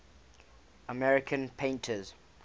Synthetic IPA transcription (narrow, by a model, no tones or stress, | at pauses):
əmɛɹɪkʰə̃npʰẽɪ̃ntʰəz